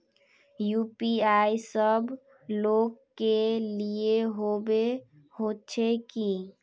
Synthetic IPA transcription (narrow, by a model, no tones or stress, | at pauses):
jupiajsəb | lokːelieɦobe | hot͡ʃʰeki